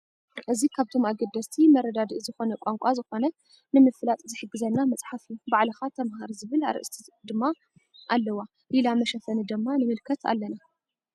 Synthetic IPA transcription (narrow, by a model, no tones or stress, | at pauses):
ʔɨzikʰaβt̪ʰo̞maɡɐd̪ːɐst̪ʰimɐɾɐd̪ad̪iʔzɨxo̞nɐkʷʼaŋkʷʼazɨxo̞nɐ | nɨmɨflat̪ʼzɨħɨɡːɨzɐnːamɐt͡sʼħafijubaʕlɐxat̪ʰɐmhaɾzɨβɨla̰ɾɨ̰ʔɨst̪ʰid̪ɨmːa | ʔalːɐwa | lilamɐʃɐfɐnɨd̪ɨmːanɨmɨlkʰɐt̪ʰa̰lːɐna